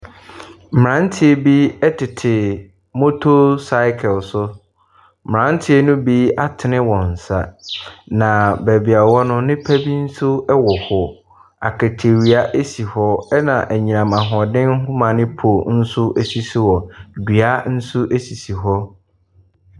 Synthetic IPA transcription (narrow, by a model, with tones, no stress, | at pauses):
m˨ɾã˦n˦tʰɪ˦e˦bi˦ɛ˦tʰɪ˨tʰɪ˨ | mo˦tʰo˦sa˦ɪ˦kʰɛ˨lsʊ˦ | m˨ɾã˨˦n˦tʰɪ˦e˦nʊ̃˦bi˦a˦tʰɪ˨nɪ̃˦wɔ̃˨n̩˨sa̰˨nã˨bæ˨bi˨a˨wɔ˦nʊ̃˦nɪ̃˦pʰæ˦bi˦n̩˦sʊ˦ɛ˦wɔ˨hɔ˨ | a̰˨kʰɛ˨tʰe˨ɾi˨a˦ʔe˦si˨hɔ˦ɛ˦nã˨ʔæ˨ɲĩ˨ã˨mã˨ɦʊ̃˨ɔ˨dɪ̃˦n˦ɦʊ̃˦mã˨nɪ̃˦pʰo˨n̩˦sʊ˦ʔe˨si˨si˦wɔ˨di˨a˦n̩˦sʊ˦ʔe˦si˨si˨ɦɔ˦